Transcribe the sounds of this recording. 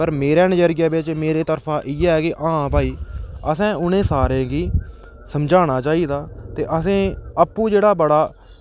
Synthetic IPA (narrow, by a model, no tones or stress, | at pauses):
pəɾmeːɾaːnəd͡ʒəɾɡjaːbɪt͡ʃmeːɾeːt̪əɾpʰaːʔɪjɛːɛːkɪʔãːpaːiːəsɛ̃ːʊnẽːsaːɾẽːɡiː | səmd͡ʒaːɽ̃aːt͡ʃaːiːd̪aːt̪eːʔəsẽːəpːũːd͡ʒeːɽaːbəɽaː